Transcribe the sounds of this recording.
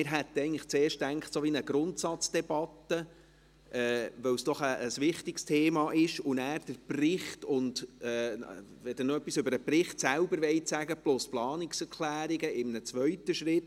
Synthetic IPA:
mɪɾɦɛt̪ːəɛɪɡŋnləχt͡seːɾʃtæŋχtsoːʋinəɡɾʊntsɑt͡sd̥ɛb̥ɑt̪ːə | ʔɛːvʋœwsd̥ɔχəːsʋɪχtɪkstʰeːmɑʔɪʃʊnæːɾd̥əɾprɪχtʊndɛvɛd̥ənoœpːisʏbəɾəprɪχtsæʊbəɾʋɛɪsæɡəplʊsplɑːnɪksɛɾkʰlæːɾɪɡəɪmnət͡sʋœɥtːəʃɾɪtː

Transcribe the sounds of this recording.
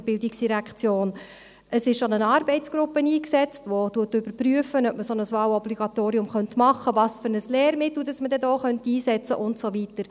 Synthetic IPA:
b̥ɪldiksd̥iɾækχt͡sjoːn | əsɪʃʃonənɑːɾbɛɪtt͡sɡ̥ɾʊpːəniːksɛt͡stʋotuətːʏb̥əɾpryəfənœpməsɔnəsʋɑːwɔbliɡ̥ɑtoːɾiʊmχœntmɑχːəvɑːsfʏɾnəslɛːɾmɪt̪l̩ˠdɑsmədɛdoːχœntiːsɛt͡sə̰ʔʊntsovitəɾ

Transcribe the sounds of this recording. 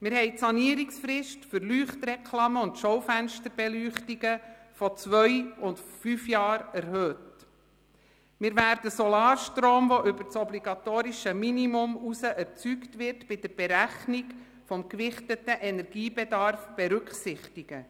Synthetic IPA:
mɪɾhɛɪtsɑniəɾiksfrɪʃtfəɾlyːχtrɛkʰlɑməʊntʃowfænʃtəɾbɛlyːχtiɡəfɔt͡sʋœjʊntfyfjɑːɾæɾhøːt | mɪɾvæːɾdəsɔlɑːɾʃtɾoːmʋɔʔʏbət͡sɔbliɡɑtoːɾiʃəminimʊmusəʔɛrt͡syktʋɪrtb̥ɪd̥əɾb̥eɾæχnik | fɔmkʋɪχtətəʔɛnɛɾɡiːbedɑɾfb̥eɾʉkχsɪχtiɡ̥ə

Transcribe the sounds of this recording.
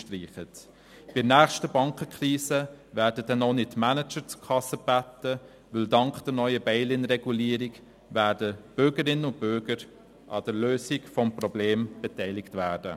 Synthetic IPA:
ʃtriːχət | b̥ɪnæːχʃtəbɑŋkəkʰɾiːsəvæːɾdədɛnonɪtːmænət͡ʃəɾt͡su̥kʰɑsəb̥ætə | ʋʏldɑŋkd̥əɾnœʏəbɛɪlɪnɾɛɡuliːɾiɡ | væːɾdəb̥ʏɾɡəɾɪnːəʊnt̚b̥ʏɾɡəɾ | ʔɑ̰d̥əɾløːsɪɡfɔmprɔbleːmb̥ɛtɛɪlɪktvæːd̥ə

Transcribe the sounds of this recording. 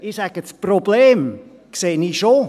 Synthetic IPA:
isɛɡ̥ət͡sprobleːm | kseːniʃo

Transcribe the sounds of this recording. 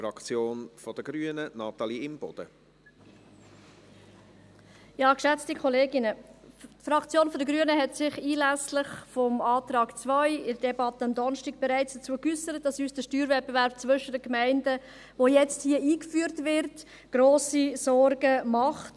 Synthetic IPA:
fɾɑkt͡sjoːnfɔd̥əɡɾyənənɑtɑliɪmb̥ɔ̰d̥ə | jɑːkʃɛt͡stikʰχɔleːɡɪnətfɾɑkt͡sjoːnfɔdəɡɾyənəɦɛtsɪχiːlæslɪχfɔmɑːtɾɑːkt͡svœʏɪdədɛbɑtəɑmdɔnʃtiɡ̥̚b̥ɛɾæɪt͡sd̥ət͡suːəkysəɾət̚d̥ɑsyːsd̥əʃtyːɾvɛt̚bevæɾb̥̚t͡svʏʃədəkmæɪndə | ʋojɛt͡sthiəiːkfyːəɾtvɪɾt | ɡ̥ɾoːsisɔɾɡəmɑχt

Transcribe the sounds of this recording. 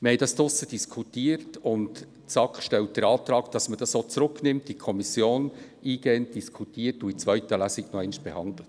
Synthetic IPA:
məhɛɪdɑstʊsəd̥iskʰutiːəɾtʊnt | t͡sɑkχʃtɛlt̚d̥əɾɑːtɾɑːkd̥ɑsməd̥ɑsot͡sɾʊkʰnɪmt̚d̥ikʰɔmisjoːn | iːɡ̥ɛːnt̚d̥iskʰutiːəɾtuit͡svœʏtəlæsɪknɔɛnʃb̥ɛhɑnd̪lət

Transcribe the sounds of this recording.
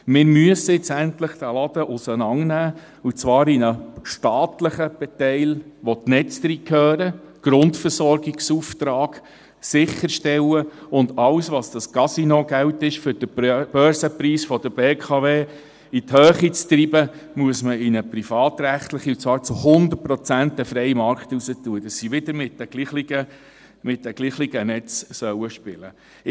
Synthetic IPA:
mɪːɾmyəsəɪt͡sæntləχd̥̪ælɑd̥̪əʔʊsənɑŋnæː | ut͡sʋɑːɾinəʃtɑːtləχəb̥ɛtɛɪlʋɔtnɛt͡stɾiːkʰœːɾəɡ̥ɾʊntfəɾsɔɾɡɪksuft̪ɾɑːɡ̥ | sɪχːəɾʃtɛwəʊndɑwsʋɑsd̥ɑskɑsinoɡ̥æwtɪʃfʏɾd̥əb̥œːɾsəpɾiːsfɔd̥əɾb̥eːkʰɑveː | it̪høːχit͡st̪ɾibəmuəsməɪnəpɾifɑːt̪ɾæχtləχiut͡sɑːɾt͡suhʊnd̪ət̚pɾɔt͡sænt̪ɛfɾɛɪmɑɾkχt̪usətuəd̥̪ɑsːiʋɪd̪əɾmɪtːɛɡ̥liːχliɡə | mɪtdɛɡ̥liːχliɡənɛt͡ssœwəʃpɪlə

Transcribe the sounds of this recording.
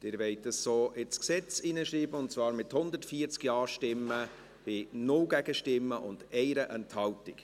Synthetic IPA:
d̥ɪːɾʋɛɪt̚dəssoːʔɪsksɛt͡sinəʃɾiːbəʊntt͡svɑːɾmɪthʊnd̪əɾtfiːəɾt͡skjɑːɾʃtɪmːə | b̥ɪnʊlɡ̥æɡəʃtɪmːəʔʊndɛɪɾəʔɛnthɑltɪk

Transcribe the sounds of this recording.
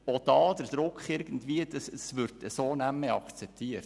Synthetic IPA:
od̥ɑːd̪əɾd̥̪ɾʊkχɪɾɡ̥ən̩d̪vʋiːəd̪əssʋʏɾdəsoːnæmːəɑ̰kt͡sɛp̚t̪iəɾt

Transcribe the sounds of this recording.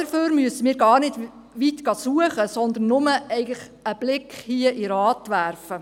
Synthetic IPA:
əɾføːɾmyəsəmiːɾɡɑːɾnɪd | ʋit̪ɡ̥ɑsuəχəsɔnd̪ən̩ːʊməɛɪɡəlɪχ | əb̥lɪkχhiəʔiɾɑːtʋærfə

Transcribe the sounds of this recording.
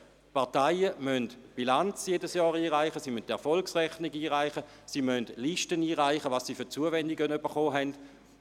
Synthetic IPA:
paɐtaɪəmœntb̥ilant͡sjedəsjɔːʁiːʁaɪχəsiːmyntɛɐfɔlksʁɛχniɡiːʁaɪχə | siːmœndliʃtəniːʁaɪχəʋɑssiːfʏʁt͡suəvɛndɪɡənybəχoːɦɛnd̥

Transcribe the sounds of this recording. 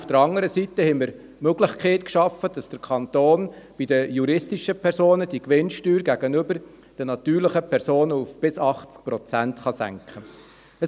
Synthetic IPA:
ufd̥əɾɑŋəɾəsit̪əhɛɪməɾ | møɡlɪχkχeːtkʃɑfːəd̥ɑsd̥əɾkʰɑnt̪oːn | b̥idəjuɾɪstiʃəpʰɛɾsoːnəd̥ikʋɪnʃtyːɾɡæɡ̥ənʏbəɾ | d̥ɛnɑt̪yːɾləχəpʰɛɾsoːnəufb̥ɪsɑχt͡sk̚pɾɔt͡sæntχɑsæ̰ŋkχə | ə

